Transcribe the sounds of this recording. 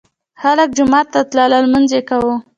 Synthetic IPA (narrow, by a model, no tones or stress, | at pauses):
xalək̚d͡ʒʊmɑt̪ːat̪lɑləlmanzekawu